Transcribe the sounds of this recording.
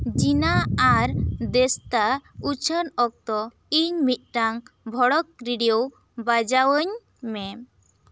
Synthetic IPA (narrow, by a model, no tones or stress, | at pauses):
d͡ʒinaːɾd̪ɛst̪aut͡ʃʰənɔk̚t̪ɔ | iɲmit̪̚ˀʈaŋbʱɔɽɔk̚ɾiɖijow | bad͡ʒawəɲ | mɛ